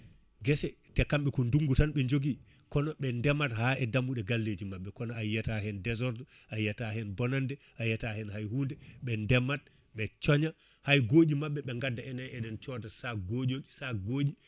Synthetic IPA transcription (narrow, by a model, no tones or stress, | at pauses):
ɡɛsɛ | tɛkamɓɛkɔnduŋɡutanɓɛɲd͡ʒoɡi | kɔnɔɓɛndɛmathaːʔɛdamuɗɛɡalːed͡ʒimaɓːɛkɔnɔajːatahɛndɛzɔɾtɔ | ʔajːatahɛnbɔnandɛ | ʔajatahɛnhajhuːndɛɓɛndɛmːat̚ | ɓɛt͡ʃɔɲa | hajɡoːɗimaɓːɛɓɛŋɡadːaɛnaɛɗɛnt͡ʃɔtasaɡoːd͡ʒosaɡoːd͡ʒi